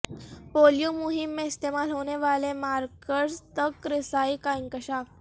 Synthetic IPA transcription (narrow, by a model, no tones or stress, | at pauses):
poljumuɦimːeist̪emalɦoñeʋalemaɾkəʈst̪əkːɾisaikaiŋkəɕaf